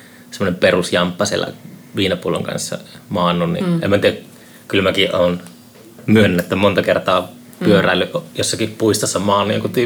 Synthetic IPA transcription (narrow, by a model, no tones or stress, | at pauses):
semːonemperusjɑmpːɑsiḛlːæ̰ʋiːnɑpuolo̰ŋkɑ̰nsːɑ̰mɑːnːˑunnḭemːænt̪iˑæ | kylmækiʔʔoːn | myønːæt̪ːæmont̪ɑkert̪ɑː | pyøræːˑlːyʔʔjosːɑkippuist̪ɑsːɑmɑːnːˑujoŋkut̪y